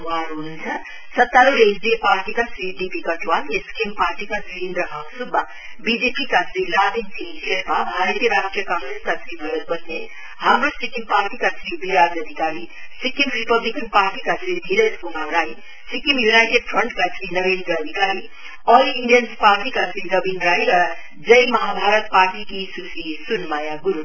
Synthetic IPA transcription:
ʋaːɾuːnd͡ʒa | sɐt̪ːaːluɾesd̪ipaːɾʈikasiːɖipikaʈʋaːneskimpaːɾʈikasĩːnd̪ɾəɦãːŋsud̪ba | bid͡ʒepikat͡ʃɾilaːd̪insʰiʃeɾpabʱaːɾət̪jɐɾaːʃʈɾijəkãːŋɡɾeskat͡ʃɾibɐɾət̪̚bɐt̪ne | ɦɐmɾusikimpaːɾʈikat͡ʃʰɾibʱiɾaːd͡ʒəd̪ʱikaːɾi | sikimɾipəblikənpaːɾʈikasʰɾid̪ʱiɾeskumaɾai | sikimjunajʈeɖpʰɾəɳʈkat͡ʃʰɾinəɾend̪ɾəəd̪ʱikaɾi | ɔːliɳɖijənspaɾʈikasʰɾiɾəbinɾajɾə | d͡ʒəjmɐɦabʱaɾət̪paɾʈikisusisunmajaɡuɾu

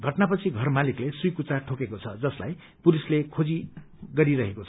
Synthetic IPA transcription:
ɡʱʌʈnapʌt͡sʰiɡʱʌrmaliklesujkut͡saʈʰokekot͡sʰʌd͡zʌsla̰j | puɾislekʰod͡zi | ɡʌɾiɾʌɦekot͡sʰ

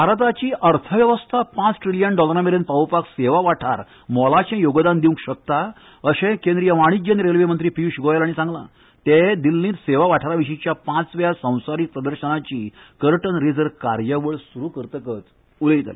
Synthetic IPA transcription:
bʱaɾət̪̬at͡ɕiːʔəɾt̪ʰəʋjəʋəst̪ʰapãt͡sʈɾiljənɖɔləɾameɾenpawpakseʋaʋaʈʰaɾ | mɔlat͡ɕɛ̃joɡd̪and̪iũkɕək̚t̪a | əɕẽkẽnd̪ɾijəʋaɽ̃id͡ʑənɾelʋemənt̪ɾiːpiuɕuɡojalaɽisãŋɡla̰ | t̪ed̪ilːĩːt̪seʋaʋaʈʰaɾaʋiɕĩt͡ɕjapãt͡sʋjasə̃w̃saɾik̚pɾəd̪əɾɕənat͡ɕiːkəɾʈənɾid͡zəɾka̰ɾjəʋəɭsuɾukəɾt̪əkət̪ | uleit̪a̰l̰

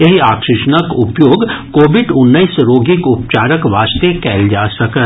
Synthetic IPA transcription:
jɐɦiaːkʃɪʃənəkʊpjoːɡkoːʋɪɖʊnːəisɾoːɡikʊp̚t͡ʃaːɾəkʋaːst̪ekɛːld͡ʒaːsɐkə

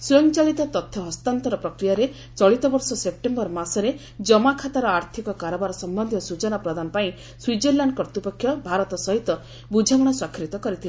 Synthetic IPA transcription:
suɔŋt͡ʃaɭit̪ɔt̪ɔt̪ʰːɔɦɔst̪ant̪ɔɾɔpɾɔkɾijaɾe | t͡ʃɔɭit̪ɔbɔɾsɔsep̚ʈembɔɾmasɔɾe | d͡ʒɔmakʰat̪aɾɔaɾt̪ʰikɔkaɾɔbaɾɔsɔmbɔnd̪ʱit̪ɔsut͡ʃɔnapɾɔd̪anɔpaĩ | swid͡ʒeɾlaɳɖkɔɾt̪ipɔkʰːjɔbʱaɾɔt̪ɔsɔɦit̪ɔ | bud͡ʒʱaɡɔɽ̃ɔswakʰɾit̪ɔkɔɾit̪ʰile

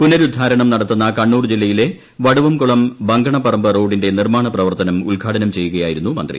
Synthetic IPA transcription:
punɐɾud̪ʱːaːɾɐɳɐmnɐɽɐt̪ːunːɐkɐɳːuːrd͡ʑilːɐjile̞ | ʋɐɽuʋɐmkuɭɐmbɐŋɡɐɳɐpɐrɐmbɐro̞ːɖinde̞nirmaːɳɐprɐʋɐrt̪ɐnɐmulɡʱaːʈʰɐnɐmt͡ɕe̞jːuɣɐjaːjiɾunːumɐ̰nd̪rḭ

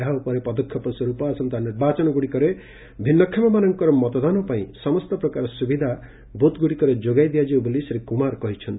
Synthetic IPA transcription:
awpɔɾepɔd̪ɔkʰːjɔpɔswɔɾupasɔnt̪aniɾbat͡ʃɔnɔɡuɽikɔɾe | bʱinːɔkʰːamamanɔŋkɔɾɔmɔt̪ɔd̪anɔpaĩsɔmɔst̪ɔpɾɔkaɾɔsubid̪ʱa | bot̪ɡuɽikɔɾed͡ʒoɡajd̪ijad͡ʒiwbolisɾekumaɾkɔɦit͡ʃʰʌnt̪

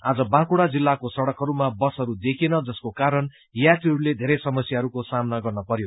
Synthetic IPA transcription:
ad͡zʌbãkuɽad͡zilːakosʌɽʌkɦʌɾumabʌsɦʌɾud̪ekʰenʌd͡zʌskokaɾʌn | jaʈiɦʌɾuled̪ʱeɾʌjsʌmʌsjaɦʌɾukosamnaɡʌrnʌpʌɾjo

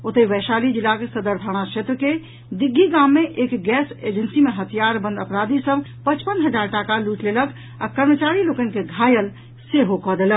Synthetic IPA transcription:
ot̪əiʋəjʃalid͡ʒilːakesəd̪əɾb̪ʱaɽ̃aʃet̪ɾəke | d̪iɡʱːiɡamːeʔekɡɛsed͡ʒənsimeɦət̪ʰijaɾbə̃nd̪əpɾad̪isəbʱpət͡ʃpənɦəd͡ʒaɾʈakaluʈlelək | a̰kəɾmət͡ʃaɾilokənkeɡʱajəl | seɦokɔd̪elək̚

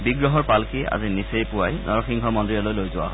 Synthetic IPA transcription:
biɡɹɔɦɔɹpalkea̰zinisejpʊwajnɔɹɔxʰiŋɡʱɔmɔndɹiɔlojlojzʊwa̰

